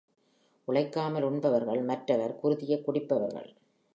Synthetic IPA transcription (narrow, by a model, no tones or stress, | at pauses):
ʔʊɭɐɪkːaːmɐlʊɳbɐʋɐɾɣɐɭmɐʈrɐʋɐɾkʊɾɯðɪjɐkːʊɽɪpːɐʋɐɾɣɐ̰ɭ